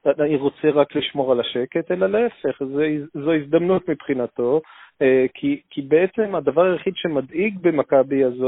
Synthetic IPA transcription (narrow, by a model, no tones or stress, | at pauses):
aaniʁo̞t͡seʁakliʃmo̞ʁalaʃe̞ke̞t̪elalaefe̞χzeizzoizd̪amnut̪mipχinat̪o̞ | kʰikibeet͡se̞mad̪avaʁajeχid̪ʃe̞mad̪iɡbe̞makabiazo